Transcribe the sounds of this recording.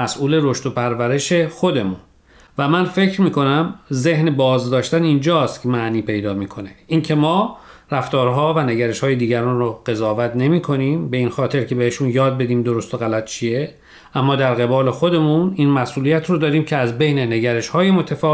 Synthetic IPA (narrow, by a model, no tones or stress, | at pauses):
mæsʔuːle̞ɾo̞ʃt̪opʰæɾvæɾe̞ʃe̞xod̪e̞muːn | væmænfecʰɾmiːkʰo̞næmze̞hnebɒːzd̪ɒːʃt̪ænind͡ʒɒːst̪cʰemæʔniːpʰe̞jd̪ɒːmiːkʰo̞ne̞ʔiːncʰe̞mɒːɾæft̪ɒːɾɦɒːvæneɟæɾe̞ʃhɒːjed̪iːɟæɾɒːnroɢ̥e̞zɒːvæt̪ne̞miːkʰo̞niːmbe̞iːnxɒːt̪ʰe̞ɾcʰe̞beheʃunjɒːd̪̚be̞d̪iːmd̪o̞ɾost̪oɣælæt̪̚ʰt͡ʃʰije | ʔæmːɒːd̪æɾɣe̞bɒːle̞xo̞d̪e̞muniːnmæsʔuːlijæt̪ʰrod̪ɒːɾiːmcʰeæzbe̞jnene̞ɟæɾe̞ʃhɒːjemot̪ʰæfɒː